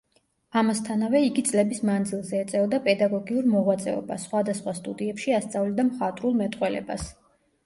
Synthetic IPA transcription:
amast̪ʰanavɛiɡit̪sʼlɛbismand̪zilˠzɛːt̪sʼɛɔd̪apʼɛd̪aɡɔɡiuɾmɔʁwat̪sʼɛ̰ɔ̰ba̰sχwad̪asχwast̪ʼud̪iɛpʃiast̪sʼavlid̪amχat̪ʼɾulˠmɛt̪ʼqʼwɛlɛ̰ba̰s

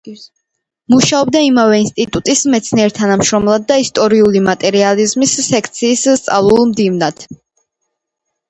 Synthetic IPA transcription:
muʃaɔb̚d̪aimavɛinst̪ʼit̪ʼut̪ʼismɛt̪sʰniɛɾt̪ʰanamʃɾɔmlˠad̪̚ːaist̪ʼɔɾiulimat̪ʼɛɾializmisːɛkʰt̪sʰiːst̪sʼa̰vlˠulˠmd̪ivnad̪̥

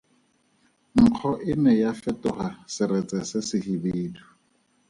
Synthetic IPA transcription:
ŋ̩q͡χʰɔʔɪnɛjafɛtʊχasɪɾɛt͡sʼɛsɛsɪhibeːdu̥

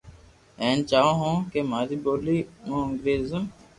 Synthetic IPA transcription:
ɛ̃ːnt͡ʃaːõːɦõːkeːmaːziːboːliːmõːəŋɡɾeːzəm

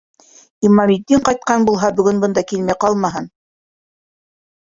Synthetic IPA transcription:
imɑmid̪ːiɴqɑjt̪̚qɑnbulˠɦɑbɵ̆ɡɵnbɤ̆nd̪ɑkilmæjqɑlˠmɑɦɤn

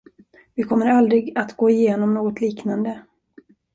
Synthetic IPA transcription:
vɪkʰɔmːəɾald̪ɾɪɡat̪ɡoːɪjeːnɔmnoːɡɔt̪liːknand̪ə

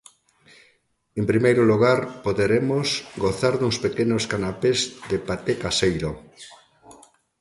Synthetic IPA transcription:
empɾimejɾʊluɣaɾpoðeɾemosɡoθaɾðuŋspekenoskanapezðepat̪ekasejɾo

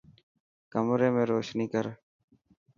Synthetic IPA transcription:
kəmɾẽːmẽːɾoːʃniːkəɾ

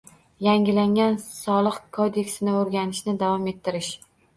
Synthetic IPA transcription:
jaŋɪlaŋʲansɒlˠɨqkʰod̪e̞kʲsɪnɪoɾɡʲanɪʃnɪd̪avɒme̞t̪ʰːɪɾɪʃ

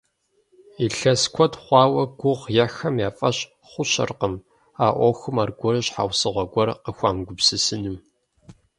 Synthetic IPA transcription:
iɬɐskʷʰɔtχʷɑːwɐɡʷʊʁjɛxɐmjaːfʼɐɕ | χʷʊɕɐ̰rqəm | aːʔʷɔxʷɨmaːrɡʷɔɾɨɕħa̰wsɨʁʷɐɡʷɔrqəxʷaːmɡʷʊbsɨsɨnɨm

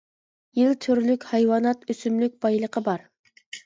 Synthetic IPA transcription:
jilt̪ʰøɾlykʲhɑjwɑːnɑt̪øsymlyk̚ʲbɑjlˠəqəbɑɾ

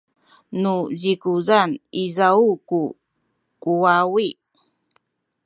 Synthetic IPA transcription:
nuʎikuzanizauku | kuwawi

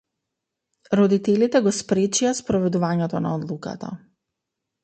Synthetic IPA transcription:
ɾɔd̪it̪ɛlit̪ɛɡɔspɾɛt͡ʃiaspɾɔvɛd̪uvaɲɛt̪ɔna̰ɔd̪lˠuka̰t̪a̰

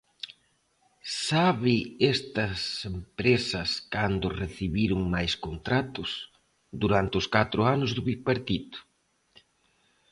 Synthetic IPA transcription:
saβɪest̪ɐsempɾesɐskand̪ʊreθiβiɾʊŋmajskont̪ɾat̪ʊs | d̪uɾant̪ɪʊskat̪ɾʊanʊzðʊβipeɾt̪it̪ʊ̥

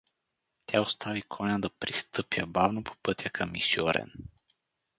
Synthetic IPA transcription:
t̪ʲjaost̪ʰavikʰonʲad̪apɾist̪əpjabavnopʰu̥pət̪ʲjakʰamḭsjoɾɛ̰n

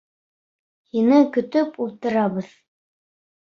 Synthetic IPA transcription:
hinɘkɵ̆t̪ɵpulˠt̪ɤ̆ɾɑβɤð

